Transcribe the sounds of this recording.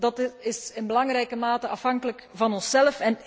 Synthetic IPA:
dɑtɪsɪnbəlɑŋrɛjkəmaːtəɑfɦɑŋkələkvɑnɔnsɛləfɛn

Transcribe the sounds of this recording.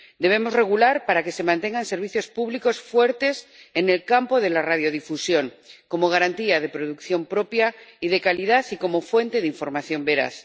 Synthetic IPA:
d̪e̞βe̞mo̞zre̞ɣ̞ulaɾpaɾake̞se̞mãnt̪e̞ŋɡanse̞ɾβ̞iθjo̞spuβliko̞sfwe̞ɾt̪e̞se̞ne̞lkampo̞ðe̞larað̞jo̞ð̞ifusjo̞ŋko̞mo̞ɣ̞aɾant̪iað̞e̞pɾoð̞ukθjo̞mpɾo̞pjaiðe̞kalið̞aθiko̞mo̞fwe̞nt̪e̞ðiɱfo̞ɾmaθjo̞mbe̞ɾa̰θ

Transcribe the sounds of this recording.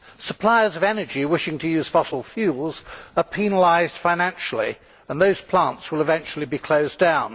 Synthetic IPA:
səpʰl̥aɪəzʌvɛnə˞d͡ʒiwɪʃɪ̃ŋtʰɨjʉz̥fɑsl̩ˠfjʉlˠz̥əpʰinəlaɪzd̥fãɪnæ̃nʃl̩ˠḭ | ə̃nðoʊz̥pʰl̥ɑ̃ntswəlˠəvɛ̃nt͡ʃl̩ˠibikʰl̥oʊzdãʊ̃n

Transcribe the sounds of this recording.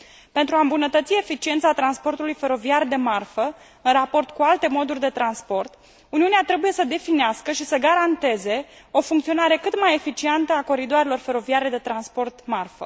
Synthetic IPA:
pe̞nt̪ɾuambunət̪ət̪sie̞fit͡ʃient̪sat̪ɾanspo̞rt̪ulujfe̞ɾo̞viard̪e̞marfə | ɨnrapo̞rt̪kualt̪e̞mo̞d̪urʲd̪e̞t̪ɾanspo̞rt̪ | uniuneat̪ɾe̞buje̞səd̪e̞fineaskəʃisəɡaɾant̪e̞ze̞o̞fuŋkt̪sio̞naɾe̞kɨt̪maje̞fit͡ʃient̪əako̞ɾid̪oaɾelo̞rfe̞ɾo̞viaɾe̞d̪e̞t̪ɾanspo̞rt̪marfə̰

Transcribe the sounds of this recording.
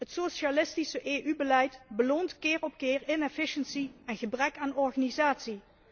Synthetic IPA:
ɦətsoʃalɪstisəʔeːʔybəlɛjtbəloːntkɪːɹɔp̚kɪːɹɪnɛfɪʃənsiɛnɣəbrɛkaːnɔɹχaːnizaːtsi

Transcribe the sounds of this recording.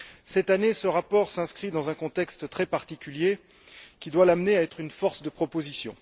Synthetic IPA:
sɛt̪anesəʁapɔʁsɛ̃skχid̪ɑ̃zɛ̃kɔ̃t̪ɛkst̪t̪χɛpaʁt̪ikʲylje | kʲid̪walamneaɛt̪χynfɔʁsd̪əpχɔpozisjɔ̰̃

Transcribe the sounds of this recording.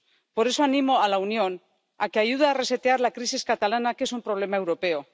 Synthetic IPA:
po̞ɾe̞soanĩmo̞alaunjo̞n | ake̞aʝuðaːre̞se̞t̪eaɾlakɾisiskat̪alanakee̞sumpɾo̞β̞le̞maewɾo̞pe̞o̞

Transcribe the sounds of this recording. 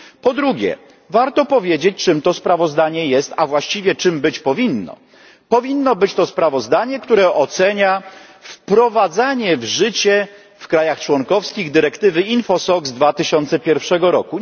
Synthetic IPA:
pɔd̪ɾuɡʲjɛ̰ | vaɾt̪ɔpɔvʲjed͡ʑet͡ɕt͡ʂɘmt̪ɔspɾavɔzd̪aɲɛjɛst̪avwaɕt͡ɕivʲjɛt͡ʂɘmbɘt͡ɕpɔvʲinːɔ̰ | pɔvʲinːɔbɘt͡ɕt̪ɔspɾavɔzd̪aɲɛkt̪uɾɛʔɔt̪sɛɲafpɾɔvad̪zaɲɛvʐɘt͡ɕɛ | fkɾajaxt͡ʂwɔŋkɔfskʲiɣd̪ɘɾɛkt̪ɘvɘinfɔsɔɡzd̪vat̪ɘɕɔnt̪sɛpʲjɛɾfʂɛɡɔɾɔ̰ku

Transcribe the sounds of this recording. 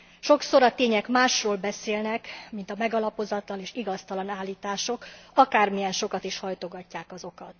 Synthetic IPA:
ʃo̞kso̞ɾɒt̪eːɲɛkmaːʃroːlbɛseːlnɛkmint̪ɒmɛɡɒlɒpo̞zɒt̪lɒneːʃiɡɒst̪ɒlɒnaːlːiːt̪aːʃo̞kɒkaːrmijɛnʃo̞kɒt̪iʃhɒjt̪o̞ɡɒcːaːkɒzo̞kɒt̪

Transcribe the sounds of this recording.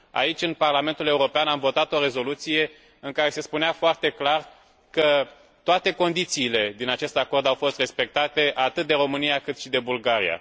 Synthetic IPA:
a̰it͡ʃʲɨnparlame̞nt̪ule̞uɾo̞peanamvo̞t̪at̪o̞ɾe̞zo̞lut̪sije̞ | ɨŋkaɾe̞se̞spuneafoart̪e̞klar | kə | t̪oat̪e̞ko̞nd̪it̪siːle̞d̪inat͡ʃe̞st̪ako̞rd̪awfo̞st̪re̞spe̞k̚t̪at̪e̞ʔat̪ɨt̪̚d̪eɾo̞mɨnijakɨt̪ʃid̪e̞bulɡaɾḭja̰

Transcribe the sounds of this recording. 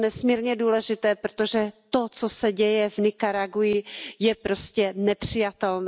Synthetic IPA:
nɛsmiːɾɲɛduːlɛʒɪt̪ɛːpɾot̪o̞ʒɛt̪o̞t͡sosɛɟɛjɛvnɪkaɾaɡujɪjɛpɾo̞scɛnɛpr̥ɪjat̪ɛln

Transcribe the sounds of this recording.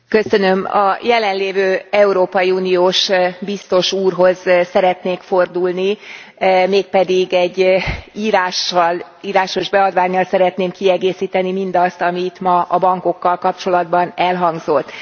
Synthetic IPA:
kø̞sø̞nø̞mɒ̰jɛlɛnleːvøːɛuɾoːpɒjiuːnijoːʃbist̪o̞ʃuːrɦo̞zsɛɾɛt̪neːkfo̞rd̪ulni | meːk̚pɛd̪iɡɛɟːiːɾaːʃɒl | iːɾaːʃo̞ʒbɛɒd̪vaːɲːɒlsɛɾɛt̪neːmkiɛɡeːsiːt̪ɛnimind̪ɒst̪ɒmit̪mɒɒbɒŋko̞kːɒlkɒpt͡ʃo̞lɒd̪bɒnɛlɦɒŋɡzo̞t̪ː

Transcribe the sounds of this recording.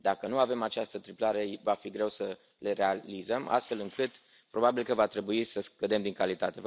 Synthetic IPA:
d̪akənuave̞mat͡ʃast̪ət̪ɾiplaɾevafiɡɾe̞wsə | leɾealizəma̰st̪fe̞lɨŋkɨt̪ | pɾo̞babilkəvat̪ɾe̞buisəskəd̪e̞md̪iŋkalit̪at̪e̞

